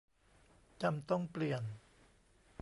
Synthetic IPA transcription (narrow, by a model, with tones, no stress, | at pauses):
t͡ɕa˧mt̪ɔ˥˩ŋpli˨ən